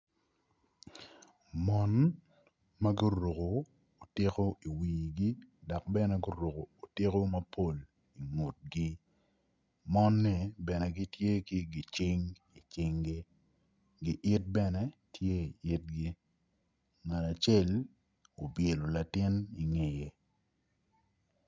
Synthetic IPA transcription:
mɔ˦n | ma˦ɡi˦ɾo˨koː˨ | tɪ˦ko˦i˨wiː˨ɡi˦dɔ˨k̚bɛ˦nɛ˦ɡʊ˦ɾo˨ko˨o˨te˦ko˦mɐ˦pʰo˦˨l | i˨ŋo˨t̚ɡi˦ | mɔ˦nːɛ˨bɛ˨nɛ˨ɡi˦tje˦ki˦ɡi˨t͡ʃɪ˦ŋ | i˨t͡ʃɪ˦ŋɡi˦ | ɡi˨ʔɪ˦t̚bɛ˦nɛ˦tʰje˦i˨ɪ˦t̚ɡi˦ | ŋa˨na˨t͡ʃe˦l | o˨bje˨lo˨la˨tɪ˦ni˨ŋe˨je˨

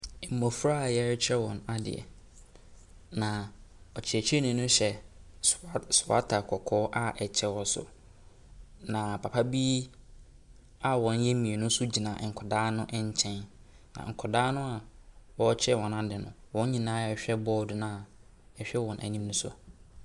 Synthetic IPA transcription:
ɛ˨m̩˨mo˨fɾa˦˨jɛ˦ɾt͡ɕʰɛ˦wɔ̃˨na˨dɪ̰˨ɛ̰˨ | nã˨ɔ˨t͡ɕʰɪ˨ɛ˨t͡ɕʰᶣɛ˦nʊ̃˨˦nʊ̃˦ɕɛ˨ | sʊ˨a̰˦tʰa˨kʰɔ˨kʰɔː˦ʔa˦ʔɛ˨t͡ɕʰɛ˦wɔ˨sʊ̰˨ | nã˨pʰa˨pʰa˦bi˦ | a˨wɔ̃˨n˦jɛ˦mĩ˨ɛ˨nʊ̃˦sʊ˦d͡ʑi˨nã˨ŋ̩˨kʰɔ˨daː˦nʊ̃˦ʔɛ˦ɲ˦t͡ɕʰɛ̃˦nː | ã̰˨ŋ̩˨kʰɔ˨daː˦nʊ̃˦a˨wɔ˦t͡ɕʰɛ˦wɔ̃˨na˨dɪ˨nʊ̃˨wɔ̃˦ɲĩ˨nãː˦ɛ˨ɕᶣɛ˦bɔː˦dʊ˨nã˦˨a˨ | ɛ˨ɕᶣɛ˦wɔ̃˨nʔæ̰˨nĩ˦mnʊ̃˦sɔ̰˨

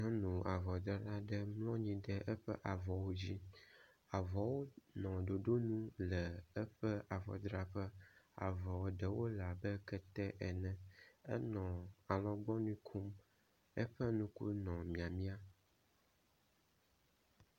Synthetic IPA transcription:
ɔ̃˦nũ˨a˨vɔ˨d̪ɾa˦ɾa˦ɖɛ˦mlɔ̃˦ɲĩ˦ɖɛ˦ʔɛ˦ɸɛ̰˦ʔa˨vɔ˨wo˦d͡ʑi˦ | a˨vɔ˨wo˦nɔ̃˨ɖo˨ɖo˦nũ˦lɛ˨ɛ˦ɸɛ˦ʔa˨vɔ̰˨d̪ɾa˦ɸɛ˦a̰˨vɔ˨wo˨ɖɛ˨wo˦la˨bə˦kɛ˦t̪ɛ˦ʔɛ˨nɛ̃˨ɛ˦nɔ̃˨a˨lɔ̃˦ɡ͡bɔ˦nũ˦kʰu˦m | ɛ˦ɸɛ˦nũ˦kṵ˦nɔ̃˨mĩ˨a˨mĩ˦a˦

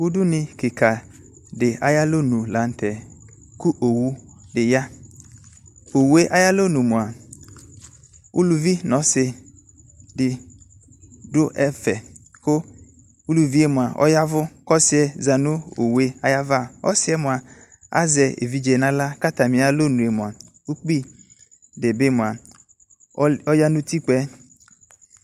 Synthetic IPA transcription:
wʊ˦dʊ˦nɪ̃˨kɪ˨kʰa˨ | dɪ˨a˨ja˦lo˦nũ˨la˨˦n˦tʰɛ˨ | ku˦ʔo˨wu˦ | dɪ˨ja˦ | o˨wu˦e˦ʔa˦ja˦lo˦nũ˨mʊ̃˨a˨ | u˦lu˨vi˦nɔ̃˨˦sɪ˨ | dɪ˨ | dʊ˦ʔɛ˦fɛ˨kʊ˦ | u˦lu˨vi˦e˦mõ˨a˨ʔɔ̰˦ja˦vʊ˦kɔ˦sɪ˦ɛ˨za˨nũ˦o˨we˦a˨ja˦va˦ɔ̰˦sɪ˦ɛ˦mʊ̃˨a˨ | a̰˦zɛ˨ḛ˨vi˦d͡ʒɛ˨nã˦la˦ka˦t̪a˨mɪ̃˨a˨lo˦nũ˨e˨mõ˨a˨ | u˦k͡pi˦ | ɖe˨be˦mʊ̃˨a˨ | ɔ˦ja˦nũ˦t̪i˦k͡pɛ˦

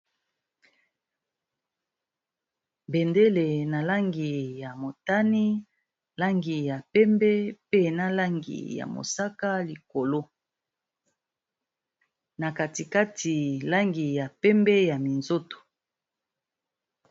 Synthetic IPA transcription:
bɛ˨nde˦le˨na˨la˦ŋɡi˨ja˨mo˨ta˦ni˦ | la˦ŋɡi˨ja˨pɛ˦mbɛ˦pe˦na˦la˦ŋɡḭ˨ja̰˨mo̰˨sa˦ka˦li˨ko˨lo˦ | na˨ka˨ti˨ka˦ti˨la˦ŋɡi˨ja˨pɛ˦mbɛ˦ja˨mi˨nzo˦to̥˨

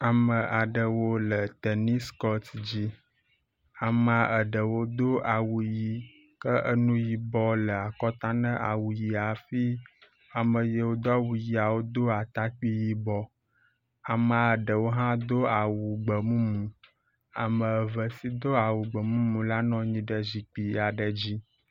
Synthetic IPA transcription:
a˨mə̃˨ʔa˨ɖə˨wo˦lə˨t̪ə˨nĩ˦skɔ˦t̪d͡ʑi˦ | a˨mã˨ə˨ɖə˨wo˦d̪o˦ʔa˨wu˨ji˨ | kə˦ʔə˦nũ˦ji˨bɔ˦lə˨a˨kɔ˦t̪a˦nə̃˦ʔa˨wu˨ji˨a˨fi˦ | a˨mə̃˨je˦wo˦d̪ɔ˦wu˨ji˨a˨wo˦d̪o˦a˨t̪a˦k͡pi˦ji˦bɔ˦ | a˨mã˨ə˨ɖə˨wo˦ɦã˦d̪o˦a˨wu˨ɡ͡bə˨mũ˦mũ˨ | a̰˨mə̃˨ə˨və˨si˦d̪o˦a˨wu˨ɡ͡bə˨mũ˦mũ˨la˦nɔ̃˦ɲĩ˨ɖə˦zi˨k͡pi˨ja˨ɖə˨d͡ʑi˦

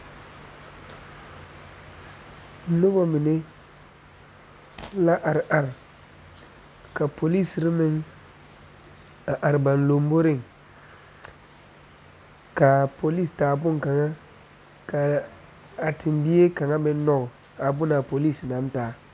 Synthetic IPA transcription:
no˦bɔ˦mɪ˨ne˦ | la˦ʔa˨ɾʔa˨ɾ | ka˨pʰo˨li˦˨sɾi˦mɪ˦ŋ | a˨ʔa˨ɾba˨nlo˨m˦bo˦ɾɪ˦˨ŋ | ka˨po˨li˦staː˨bʊ˦ŋ˨ka˨ŋa˦ | ka˨ | a˨tʰɪ˨mbi˦je˦ka˨ŋa˦bɛ˦nːɔ˦ɡ | a˨bʊ˦na˨po˨li˦˨sna˨˦m˦taː˨˦

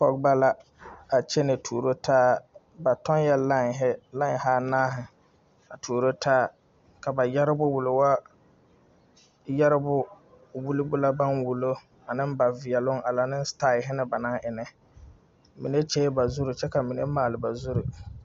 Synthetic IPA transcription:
fɔ˨k̚ba˦la˦ | a˨t͡ʃɛ˦nɪ˨tʰuː˨ɾo˦tʰaː˦ | ba˨tɔ˦n˦jɛ˦la˦ŋ˨ɦɪ˦la˦ŋ˨ɦaː˦naː˦ɦɪ˨ | a˨tʰuː˨ɾo˦tʰaː˦ | ka˨ba˨jɛ˦ɾɪ˦bʊ˦wʊ˨lɪ˨wa˦ | jɛ˦ɾɪ˦bʊ˦˨ | wu˦lɪ˦bʊ˦la˦ba˦nwu˨lo˦ | a˨nɪ̃˦mba˨vɪ˨ɛ˨lʊ˦ŋʔa˨la˨nɪ˦n˦sta˦˨ɪ˨ɦɪ˦nɪ˦ba˨na˦ʔɪ˨nɛ˦ | mḭ˨ne˦t͡ʃe˦ba˨zu˦ɾɪ˨t͡ʃɛ˦ka˨mi˨ne˦maː˨lɪ˨ba˨zu˦ɾi˨

